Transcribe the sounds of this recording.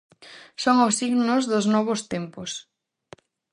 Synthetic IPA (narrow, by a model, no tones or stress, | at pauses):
soŋʊsiɣnʊzðʊznɔβ̞ʊst̪empʊs